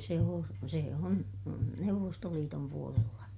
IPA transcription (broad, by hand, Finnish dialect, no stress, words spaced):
se oː seˑ on neuʋːostoliːtom puolelːɑ